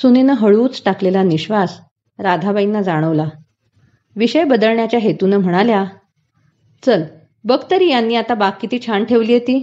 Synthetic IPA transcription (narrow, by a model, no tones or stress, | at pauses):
suninəɦəɭuːt͡sʈaklelaniɕʋas | ɾad̪ʱabainːad͡zaɽ̃əʋla | ʋiɕəjbəd̪əɭɳjat͡ɕjaɦet̪unəm̤əɽ̃alja | t͡səl | bəɡt̪əɾiːjanːiːat̪abakːit̪iːt͡ɕʰaɳʈʰeʋliːjet̪iː